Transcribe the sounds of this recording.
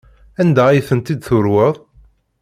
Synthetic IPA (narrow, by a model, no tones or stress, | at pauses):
ænd̪æijθənt̪id̪θʊɾwəðˤ